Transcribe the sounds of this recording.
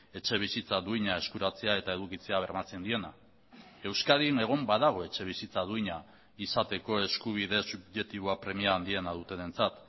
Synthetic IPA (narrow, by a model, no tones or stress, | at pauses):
e̞t͡ʃe̞βisit͡saðuiɲae̞skuɾat͡se̞ae̞t̪ae̞ð̞ukit͡se̞aβ̞e̞ɾmat͡se̞nd̪ie̞na | e̞wskaðine̞ɣ̞o̞mbaðaɣ̞o̞e̞t͡ʃe̞β̞isit͡saðuiɲa | isat̪e̞ko̞e̞skuβ̞iðe̞subʝe̞kt̪iβ̞oapɾe̞miaːnd̪ie̞nað̞ut̪e̞ðe̞nt͡sat̪